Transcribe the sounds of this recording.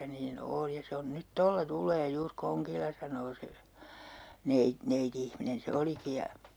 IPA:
niːn oːl jɑ se on nyt tolːɑ tulˑeː juːr koŋkilːɑ sɑnˑoː se nei neitiihminen se oliki jɑ

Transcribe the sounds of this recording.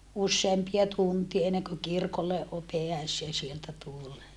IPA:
usːeːmpiɑ tuntie enːeŋkø kirkolːe o peæseː sieltæ tulːe

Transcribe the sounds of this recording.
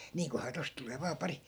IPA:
niːŋkohɑː tost tuleː ʋɑː pɑri

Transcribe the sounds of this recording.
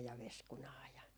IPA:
jɑ ʋeskunɑː jɑ

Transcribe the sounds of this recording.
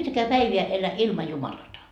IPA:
yhtækæː pæiʋiæ elæ ilmɑ jumɑlɑtɑ

